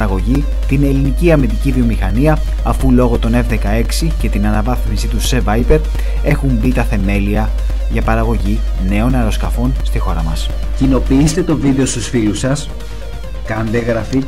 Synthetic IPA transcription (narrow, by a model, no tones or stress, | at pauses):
ɾɐɣo̞ʝi | t̪ine̞liniciɐmit̪icivio̞mixɐniɐ | ɐfulo̞ɣo̞t̪o̞ne̞vðe̞kɐe̞ksice̞t̪inɐnɐvɐθmisit̪use̞vɐjpe̞ɾ | e̞xumbit̪ɐθe̞me̞liɐ | ʝɐpɐɾɐɣo̞ʝine̞o̞nɐɾo̞skɐfo̞nst̪ixo̞ɾɐmɐs | cino̞piist̪e̞t̪o̞viðe̞o̞st̪usfilusɐs | kɐnd̪eɣɾɐfi